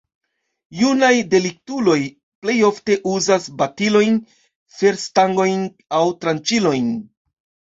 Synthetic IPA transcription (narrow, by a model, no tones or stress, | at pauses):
junajde̞lik̚tulo̞j | ple̞jo̞fte̞ʔuzasbatilo̞jn | fe̞ɾstaŋɡo̞jn | awtɾant͡ʃilo̞jn